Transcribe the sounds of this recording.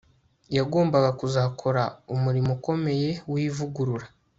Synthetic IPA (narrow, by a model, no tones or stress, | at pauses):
jaɡo̞ːmbaɡakuzakʰo̞ɾaumuɾimoko̞me̞je̞wiːvuɡuɾuɾa